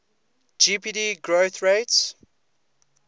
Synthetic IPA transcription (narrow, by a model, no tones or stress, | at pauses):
d͡ʒipiːdiɡɹoθɹeɪts